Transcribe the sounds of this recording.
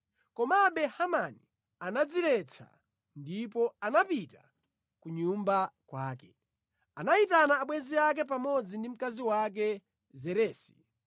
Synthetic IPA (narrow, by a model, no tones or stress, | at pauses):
kɔmaɓɛhamani | anad͡zilɛt͡sʰa̰ | ndip̬ɔanapita̰ | kuɲumbakwaːkɛ | anaitanaːɓwɛziak̬ɛp̬amɔd͡zindim̩kaziwak̬ɛ | zɛɾɛːsi̥